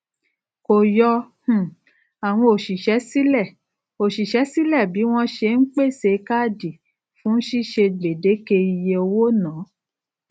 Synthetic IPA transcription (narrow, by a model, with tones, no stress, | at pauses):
ko˨jɔ˧h̩˨ | a˨w̃ɔ̃˧o˨ʃi˨ʃɛ˨˦si˦lɛ˦˨ | o˨ʃi˨ʃɛ˨˦si˦lɛ˦˨bi˨˦w̃ɔ̃˦ʃe˧n̩˦k͡pe˦˨se˧˦˧ka˦˨di˨ | fũ˨˦n̩˦ʃi˦ʃe˧de˨de˨˦ke˧i˧je˧o˧wo˦nãː˨˦